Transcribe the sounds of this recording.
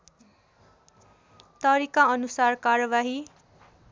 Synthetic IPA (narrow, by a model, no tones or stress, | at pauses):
t̪ʌɾikaʌnusarkaɾʌbaɦi